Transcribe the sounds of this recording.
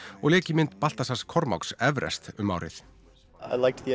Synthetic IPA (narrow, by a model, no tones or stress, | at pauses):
ɔɣlɛːcɪmɪnt̪pal̥t̪asaskʰɔɾma̰wksɛvɾɛ̰st̪ʏmːa̰wɾɪ̰θ | a̰ɪlaɪk̚ði